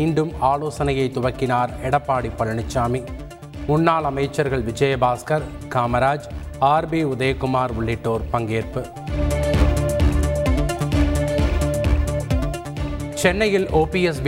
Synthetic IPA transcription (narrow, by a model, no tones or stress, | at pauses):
iːɳɖɯmaːloːsɐnɐjɐɪt̪ʊʋɐkːɪnaːɾɛɽɐpːaːɽipːɐɻɐɳɪt͡ʃːaːmi | mʊɳːaːlɐmɐjt͡ʃːɐɾɣɐɭʋɪd͡ʒɐjɐbaːskɐɾ | kaːmɐɾaːd͡ʒ | aːɾbiːʊðɐjkːʊmaːɾʊɭːɪʈːoːɾpɐŋɡeːɾpɯ | t͡ʃɛnːɐjɪloːpiɛs̬b